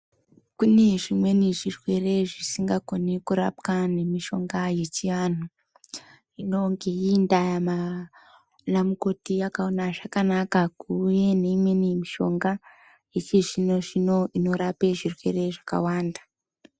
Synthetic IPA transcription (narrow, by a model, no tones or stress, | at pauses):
kune̞ʐimwe̞niʐirwe̞re̞ʐisiŋɡakonekuɾa̰pkane̞miʃo̞ŋɡaje̞t͡ʃiʋan̤u | ino̞ŋɡe̞indama | namuko̞tiakaonaʐakanakakuje̞neimwe̞nimiʃo̞ŋɡa | jet͡ʃiʐinoʐinoʔino̞ɾapeʐirwe̞̰re̞ʐaka̰waːnda